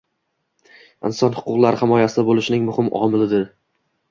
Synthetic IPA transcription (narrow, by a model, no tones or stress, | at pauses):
ɪnsɒnhʊ̥qʊqlˠaɾhɪmɒjasɪd̪abolˠɪʃɪnɪŋmʊhɪmʔɒ̰mɪlɪd̪ɪɾ